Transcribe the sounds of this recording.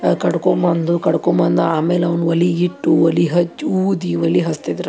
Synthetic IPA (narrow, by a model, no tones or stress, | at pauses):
kɐɽkombɐnd̪ukɐɽkombɐnd̪ɐaːmeːlɐʋnʋɐliiʈːuʋɐliɦɐt͡ʃːuːd̪iʋɐliɦɐst̪id̪ɐɾu